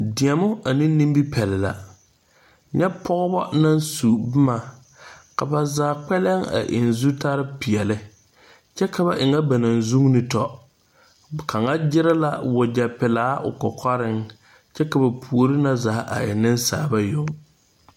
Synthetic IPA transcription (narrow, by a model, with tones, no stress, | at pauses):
dɪ˨ɛ˨mʊ˦a˨nɪ˦ni˦mbi˦pʰɛ˨lɪ˨la̰˨ | ɲɛ˦pʰɔ˦ɣʊ˦bɔ˦na˦nsu˨bɪ˦ma˨ | ka˨ba˨zaː˨k͡pɛ˦lɛ˦ŋa̰˨ʔɪ̰˨nzu˦ta˦ɾɪ˦pi˨ɛ˨lɪ˦ | t͡ʃɛ˦ka˨ba˨ʔɪ˨ŋa˦ba˨na˨nzu˦ŋ˦nɪ˨tɔ˦˨ | kʰa˨ŋa˦d͡ʒɪ˦ɾɪ˦la˦wʊ˨d͡ʒa˨pɪ˨laː˨˦ʔʊ̰˨kɔ˨kʰɔ˦ɾɪ˦ŋ | t͡ʃɛ˦ka˨ba˨pʰu˨o˦ɾɪ˦na˦za˨˦ʔa̰˨ɛ̰˨nɪ˦nsaː˨ba˦jʊ˦ŋ